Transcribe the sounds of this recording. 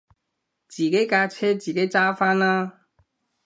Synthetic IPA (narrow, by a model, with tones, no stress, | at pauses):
t͡siː˨˩ke˨˥jkaː˧t͡sʰɛː˥t͡siː˨˩ke˨˥jt͡saː˥faː˥naː˦